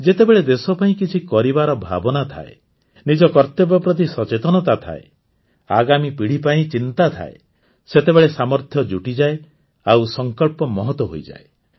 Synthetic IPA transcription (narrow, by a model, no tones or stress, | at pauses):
d͡ʒet̪ebeɭed̪esɔpaĩkit͡ʃʰikɔɾibaɾɔbʱa̰bɔnat̪ʰa̰e | nid͡ʒɔkɔɾt̪ebɔpɾɔt̪̬isɔt͡ʃet̪ɔnɔt̪at̪ʰa̰e | a̰ɡamipiɽ̤ipaĩt͡ʃint̪at̪ʰa̰e | set̪ebeɭesamɔɾt̪ʰjɔd͡ʒuʈid͡ʒae | awsɔŋkɔɭpɔmɔɦɔt̪wɔɦojd͡ʒa̰e